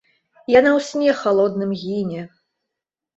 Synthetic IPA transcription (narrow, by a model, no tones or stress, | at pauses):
janawsʲnʲɛxalˠɔd̪̚nɨmɣʲinʲɛ